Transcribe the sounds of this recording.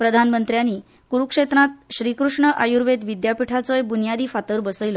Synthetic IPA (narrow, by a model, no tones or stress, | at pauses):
pɾəd̪ʱanmənt̪ɾjaniː | kuɾukʂet̪ɾãt̪ɕɾikɾuʂɳəʔajuɾʋed̪ʋid̪japiʈʰat͡sojbunjad̪iːfat̪əɾbəsəjlɔ